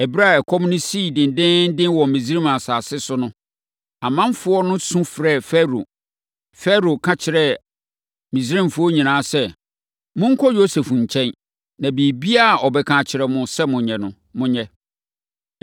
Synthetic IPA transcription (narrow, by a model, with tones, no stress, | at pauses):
ɛ˨bi˦ɾa˦˨ɛ˨kʰɔ˦mnʊ̃˦siː˦˨dɪ̃˨n˨dɪ̃˦n̩˦dɪ̃˦nwɔ˨mĩ˨s̬ɾĩ˦ma˨saː˨sɪ˦sʊ˦nʊ̃˦ | a˨mã˦mfʊ˦ɔ˦nʊ̃˦sũ˦fɾɛ˦˨fɛ˦ɾo̰˨ | fɛ˦ɾo˨kʰã˦t͡ɕʰɪ˨ɾɛ˦ | mĩ˨sɾĩ˦mfʊ˦ɔ˦ɲĩ˨nãː˦sɛ˦ | mʊ̃˦ŋ̩˦kʰɔ˦jo˦se˨fɲ̩˨t͡ɕʰɛ̃˦n | nã˨bi˨bi˦a˦˨ɔ˨bɛ˨kʰãː˨t͡ɕʰɪ˨ɾɛ˨mʊ̃˨sɛ˦mʊ̃˨ɲɛ̃˨nʊ̃˦ | mʊ̃˦ɲɛ˦